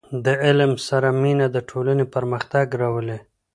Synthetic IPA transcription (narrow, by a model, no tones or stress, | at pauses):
d̪əɪlmsaɾaminad̪əʈʰolanepəɾməxt̪aɡɾawəle